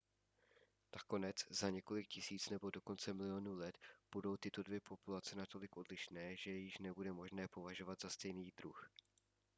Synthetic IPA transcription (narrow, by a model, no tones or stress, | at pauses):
nako̞nɛt͡szaɲɛko̞lɪkcɪsiːt͡snɛbo̞do̞ko̞nt͡sɛmɪlɪo̞nuːlɛt̪b̥udo̞wt̪ɪt̪o̞dvjɛpo̞pulat͡sɛnat̪o̞lɪkʔo̞dlɪʃnɛːʒɛjɪʃnɛbudɛmo̞ʒnɛːpo̞vaʒo̞vad̪z̥ast̪ɛjniːdɾux